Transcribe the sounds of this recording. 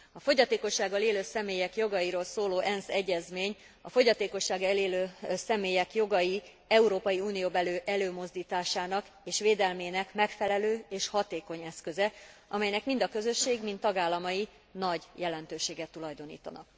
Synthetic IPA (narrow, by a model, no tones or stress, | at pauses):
ɒfo̞ɟɒt̪eːko̞ʃːaːɡːɒleːløːsɛmeːjɛkjo̞ɡɒjiɾoːlsoːloːʔɛnsɛɟːɛzmeːɲ | ɒfoɟɒt̪eːko̞ʃːaːɡɛleːløːsɛmeːjɛkjo̞ɡɒji | ɛuɾoːpɒjiuːnijoːbɛløːʔɛløːmo̞zd̪iːt̪aːʃaːnɒk | eːʃʋeːd̪ɛlmeːnɛkmɛkfɛlɛløːeːʃhɒt̪eːko̞ɲɛskø̞zɛɒmɛjnɛkmind̪ɒkø̞zø̞ʃːeːɡmint̪ːɒɡaːlːɒmɒji | nɒɟjɛlɛnt̪øːʃeːɡɛt̪ːulɒjd̪o̞nḭːt̪ɒ̰nɒ̰k